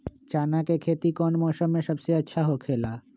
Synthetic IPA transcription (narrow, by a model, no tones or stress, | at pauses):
t͡ɕanakekʰet̪ikɔnmɔʃomeʃəbt͡ɕeətːɕʰaɦokʰela